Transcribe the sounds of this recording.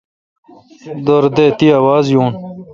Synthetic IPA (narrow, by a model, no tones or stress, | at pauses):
d̪oɾd̪eːt̪iɐwaːzjuːn